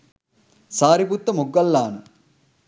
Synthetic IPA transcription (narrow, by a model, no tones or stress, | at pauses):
saːɾiput̪ːɐmuɡːɐlːaːnɐ